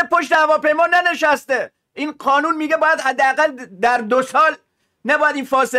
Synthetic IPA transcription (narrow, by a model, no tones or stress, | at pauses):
epʰo̞ʃt̪e̞hævɒːpe̞jmɒːnæne̞ʃæst̪e | ʔiːnɢɒːnuːnmiːɡebɒːjæd̪hæd̪ːeæɣæld̪æɾd̪osɒːl | næbɒːjæd̪iːnfɒːse